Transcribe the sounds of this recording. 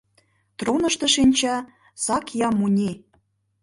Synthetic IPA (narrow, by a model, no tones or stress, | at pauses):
t̪ronə̆ʃt̪ɤ̆ʃinʲt͡ɕɑ | sɑkjɑmunʲi